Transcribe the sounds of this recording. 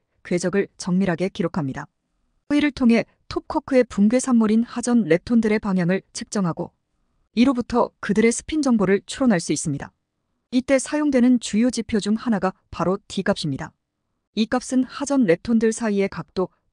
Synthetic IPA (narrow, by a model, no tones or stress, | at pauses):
kwe̞d͡ʑʌɡɯɭt͡ɕʌŋmiɾɦaɡe̞kiɾokʰamɲida | ʌiɾɯɭtʰoŋɦe̞ | tʰop̚kʰʌkʰɯe̞puŋɡwe̞sʰamːuɾinhad͡ʑʌnɾe̞tʰondɯɾe̞paŋɦjaŋɯɭt͡ɕʰɯ̥k̚t͡ɕ͈ʌŋɦaɡo̰ | iɾobutʰʌkɯdɯɾe̞sʰɯ̥pʰind͡ʑʌŋboɾɯɭt͡ɕʰuɾʌnɦaɭs͈uis͈ɯmɲida̰ | it͈e̞sʰajoŋdwe̞nɯnt͡ɕujod͡ʑipʰjod͡ʑuŋhanaɡa | paɾotiɡapɕ͈imɲida | ik͈ap̚s͈ɯnhad͡ʑʌnɾe̞tʰondɯɭsʰaie̞kak̚t͈o